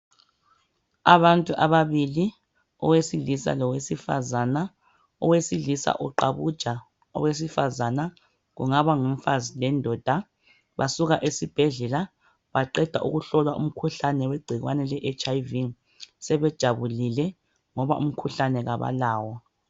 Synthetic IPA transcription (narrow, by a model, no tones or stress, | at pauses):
aβantʼuʔaβaβili | ɔ̰wesilisa̰lɔwesifa̰zana | ɔwesilisa̰ʔɔǃaβud̥ʒ̥ʱa | ɔ̰wes̬ifazana | ɣṵŋaβaŋɛɱfazilɛndʱɔd̥ʱa | βasuɣaʔesib̥ʱɛɮɛla | βaǃɛd̥ʱa̰ʔṵɣuɬɔlwaʔṵm̩kʰuɬanɛweɡ͡ǀʱiɣwa̰nɛlɛʔɛt͡ʃʼaivi | sɛβɛd̥ʒ̥ʱaβulilɛ | ŋɔβa̰ʔṵm̩kʰuɬanɛɣaβa̰laːwɔ